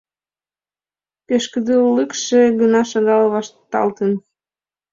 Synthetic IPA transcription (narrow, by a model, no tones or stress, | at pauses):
peʃkəd̪əlːəkʃĕɣənɑʃɑɣɑlβɑʃt̪ːɑ̰lt̪ən